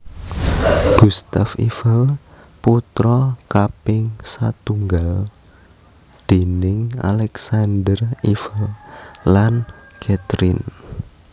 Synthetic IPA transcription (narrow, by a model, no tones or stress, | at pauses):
ɡ̥ust̪afḭfəl | put̪ɾɔkapɪŋsat̪uŋɡal | d̪̥e̤nɪŋa̰lɛksand̪ərifəllankʰɛt̪ɾin